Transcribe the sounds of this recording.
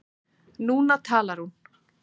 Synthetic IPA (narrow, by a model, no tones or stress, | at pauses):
nuːnat̪ʰaːlaɾ̥hun